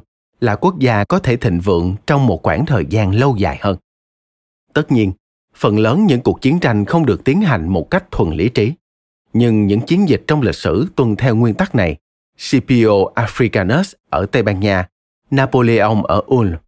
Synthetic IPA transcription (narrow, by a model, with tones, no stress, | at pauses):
la̰ː˧˨˩ku˦˥ək̚zaː˧kɔ˨˦t̪ʰe˧˩t̪ʰḭ˧˨˩ŋ̟vɨ̰˧˨əŋt͡ɕɔ˧wŋ͡mmo˨˩t̚xwaː˧˩nt̪ʰəː˨˩jzaː˧nlə˧wza̰ː˧˨jhəː˧n | t̪ə˦˥t̚ɲi˧ən | fə˨˩nləː˨˦nɲɨ̰˧˥ŋku˨˩ək̚t͡ɕi˨˦nt͡ɕa˧jŋ̟xə˧wŋ͡mɗɨ˨˩ək̚t̪i˨˦ənɦa˨˩jŋ̟mo˨˩t̚ka˦˥jk̚t̪ʰwə̰˨˩nlḭ˧˥t͡ɕi˨˦ | ɲɨ˧ŋɲɨ̰˧˥ŋt͡ɕi˨˦ənzï˨˩k̟̚t͡ɕɔ˧wŋ͡mlï˨˩k̚sɨ̰˧˩˥t̪wə˨˧˩nt̪ʰɛ˧wŋwi˧ənt̪a˦˥k̚na˨˩j | si˧pi˧ʔo˧ʔaː˧fɾi˧kaː˧nə˦˥sʔəː˧˩t̪a˧jɓaː˧nɲaː˧ | naː˧po˧li˧ʔə˧wŋ͡mʔəː˧˩ʔu˧n